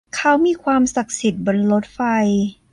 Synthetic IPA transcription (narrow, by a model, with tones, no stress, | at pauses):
kʰa˦˥wmiː˧˩kʰwaː˧msa˨˩k̚si˨˩t̪̚bo˧nlo˦˥t̪̚fa˧j